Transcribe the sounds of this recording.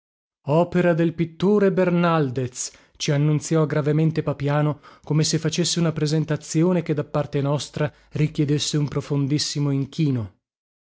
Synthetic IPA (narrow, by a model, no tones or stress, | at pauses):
ɔːpeɾad̪elpit̪ːoːɾebernald̪et̪s | t͡ʃianːunt̪sjɔɡɾavement̪epapjaːnokomesefːat͡ʃesːeunapɾezent̪at̪sːjoːneked̪ːapːart̪enɔst̪ɾa | rikʲjed̪esːeumpɾofond̪isːimoiŋk̟ʰiːno